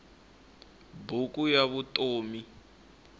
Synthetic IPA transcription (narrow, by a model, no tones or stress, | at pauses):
bukʼujaβutoːmi